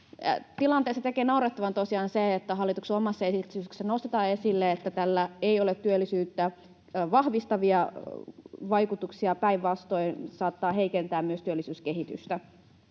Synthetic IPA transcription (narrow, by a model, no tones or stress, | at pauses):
t̪ilɑnt̪eːsːɑt̪ekeːnɑurɑt̪ːɑʋɑnt̪osiɑːnseet̪ːæɦɑlːˑit̪ukseomɑsːɑesisːænost̪et̪ɑːesilːeet̪ːæt̪ælːæeiolet̪ːyølːisyːt̪ːæ | ʋɑhʋist̪ɑʋiɑ | ʋɑikut̪uksiɑpæiʋʋɑst̪o̞insɑːt̪ːɑːɦeikent̪æːmmyøst̪yølːˑisyːskeɦit̪y̰st̪æ